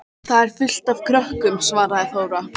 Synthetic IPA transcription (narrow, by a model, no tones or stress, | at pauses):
θaðɛɾ̥fʏl̥t̪av̥kʰɾœhkʏmsvaːɾaðɛθoːwɾa